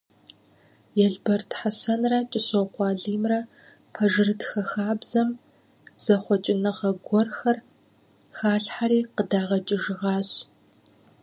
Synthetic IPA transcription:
jɛɮbɐrtħasɐnrɐt͡ʃʼɪsoqʷɑːɮiːmrɐ | pʰɐʒɨrɨtxɐxaːbzɐm | z̥ɐχʷɔt͡ʃʼɪnɨʁɐɡʷɔrxɐr | xaːɬħaɾiːqədaːʁɐt͡ʃʼɪʒɪʁɑːɕ

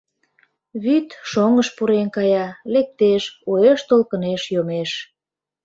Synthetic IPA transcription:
βyt̪ʃoŋəʃpuɾenkɑjɑlek̚t̪eʃoeʃt̪olkəneʃjomeʃ

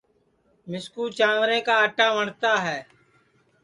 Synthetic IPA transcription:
mɪskuːt͡ʃãːʋɾẽːkaːəʈãːʋəɳt̪aːɦɛː

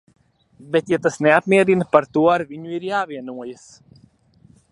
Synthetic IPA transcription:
bet̪jat̪asneapmʲiɛd̪ʲinɐpaɾt̪uɔaɾviɲuiɾjaːviɛnuɔjas

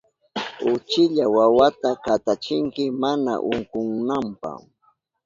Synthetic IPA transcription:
ʊt͡ʃɪʎawawat̪akat̪at͡ʃɪŋkɪmana̰ʔʊŋkʊŋnampa̰h

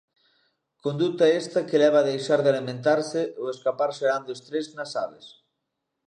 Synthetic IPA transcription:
kond̪ut̪ɐest̪ɐkelɛβ̞aːðejʃaɾðɪalimẽnt̪aɾsɪoeskapaɾseɾand̪oest̪ɾeznasaβḛs

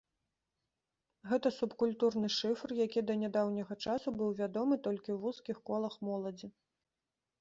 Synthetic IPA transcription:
ɣɛt̪ɐsupkulʲt̪urnɨʂɨfrjakʲid̪ɐnʲad̪awnʲɐɣɐt͡ʂasubɨwvʲad̪ɔmɨt̪ɔlʲkʲiwvuskʲixkɔlˠɐxmɔlˠɐd͡zʲi

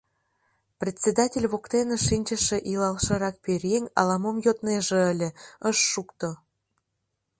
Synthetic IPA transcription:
prʲet̪ʲsʲed̪ɑtʲelʲβokt̪enəʃinʲt͡ɕə̆ʃĕʔilɑlʃɤ̆ɾɑk̚perʲjeŋɑ̰lɑmomjot̪neʒĕəlʲĕəʃːukt̪o

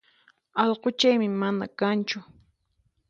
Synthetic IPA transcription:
ɑʎqot͡ʃajmɪmana̰kant͡ʃʊ

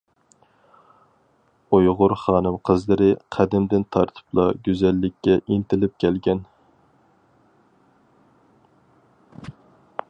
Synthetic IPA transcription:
ujʁʊɾχɑːnɨmqʰəzlˠɨɾɨqʰæd̪ɪmd̪ɪnt̪ʰɑɾt̪ʰɨ̥plˠɑɡʲyzɛlːɪkʲːɛʔint̪ɪlɪp̚kʲʰɛlɡʲɛn

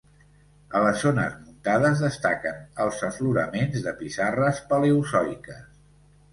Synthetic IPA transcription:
ələzːonə̰zmunt̪aðəzðəst̪akənəlˠzəfluɾə̰menzðəpisarəspəleusɔjkəs

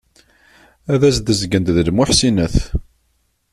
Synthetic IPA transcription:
æðæsd̪əzɡənt̪ðəlmʊħsinəθ

